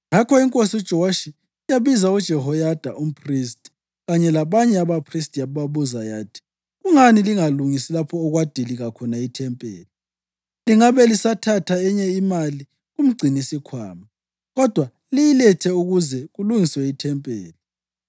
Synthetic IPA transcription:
ŋakʰɔiŋkʼosiud̥ʒ̥ʱɔwaʃi | jaβizaud̥ʒ̥ʱɛɦɔjad̥ʱaʔum̩pʰristʼi̥ | ɣaɲɛlaβaɲɛaβapʰristʼjaβaβuzajaːtʰi̥ | ɣuŋaniliŋaluŋisilapʰɔːɣwad̥ʱiliɣakʰɔnaitʰɛmpʼḛːli | liŋaβɛlisatʰatʰaɛɲɛimali | ɣum̩ɡ͡ǀʱinisikʰwa̰ːma | ɣɔd̥ʱwa | lijilɛtʰɛuɣuzɛɣuluŋiswɛitʰɛmpʼḛːli

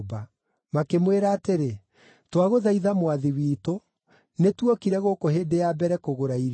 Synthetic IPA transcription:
ba | makemweɾaːteɾe | twaɣoðaiðamwaðiwiːto | netwɔkiɾɛɣokoheːdejabɛɾɛkoɣoɾaiɾ

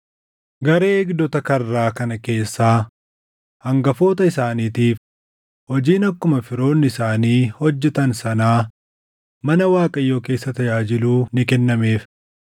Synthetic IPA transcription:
ɡɐɾeːɛɡd̪ɔt̪ɐkɐrːaːkɐnɐke̞ːsːaː | hɐŋɡɐfo̞ːt̪ɐɪsaːniːt̪iːf | hɔd͡ʒiːnɐkːʊmɐfɪɾo̞ːnːɪsaːniːhɔd͡ʒːɛt̪ɐnsɐnaː | mɐnɐwaːkʼɐjːo̞ːke̞ːsːɐt̪ɐjaːd͡ʒɪluːnɪkɛnːɐme̞ːf

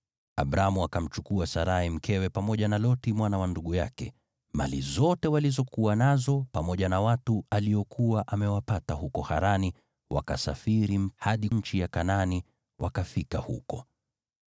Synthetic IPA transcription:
a̰bɾamuakam̩t͡ʃukuasaɾahim̩kɛwɛpamɔʄanalɔtimwanawanduɠuja̰kɛ̰ | ma̰lizɔtɛwalizɔkuwanazɔpamɔʄanawatualijɔkʰuwaʔamɛwapatahukɔha̰ɾani | wa̰kasa̰fiɾihaɗiɲ̩t͡ʃijakanani | wʔa̰kafikahṵkɔ

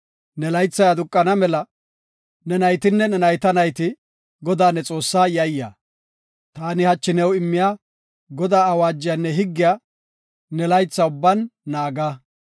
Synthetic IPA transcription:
nɛlɐjt͡sːɐjɐd̪ʊkʼːɐnɐmɛlɐ | nɛnɐjt̪ɪnːɛnɛnɐjt̪ɐnɐjt̪ɪ | ɡɔd̪aːnɛt͡sʼo̞ːsːaːjɐjːa̰ː | t̪aːnɪhɐt͡ʃːɪnɛwɪmːɪja | ɡɔd̪aːɐwaːd͡ʒːɪjanːɛɦɪɡːɪja | nɛlɐjt͡sːɐʊbːɐnːaːɡa

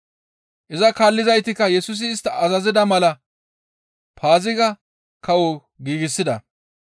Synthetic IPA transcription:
ʔɪzɐkaːlːɪzɐjt̪ɪkːɐjɛsʊs̬ɪːst̪ːɐʔɐzɐzɪd̪ɐmɐlɐ | pʰaːzɪɡɐ | kɐwɔ | ɡiːɡɪsːɪd̪ɐ̰

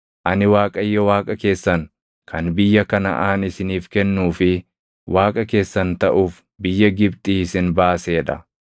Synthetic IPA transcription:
ʔɐnɪwaːkʼɐjːɔwaːkʼɐke̞ːsːɐŋ | kʰɐnbɪjːɐkɐnɐ̰ʔaːnɪsɪniːfkɛnːuːfɪ | wʔaːkʼɐke̞ːsːɐnt̪ɐʔuːf | bɪjːɐɡɪbt̪ʼiːɪsɪnbaːse̞ːᶑɐ

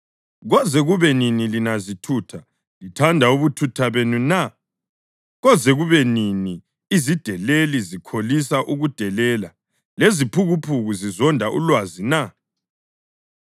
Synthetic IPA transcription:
ɣɔzɛɣuβɛninilinazitʰutʰa | litʰandʱauβutʰutʰaβenuna | ɣɔzɛɣuβɛnini | izid̥ʱɛlelizikʰolis̬aʔuɣud̥ʱɛlɛːla | lezipʰuɣupʰuɣuzizɔndʱaʔṵlwazina

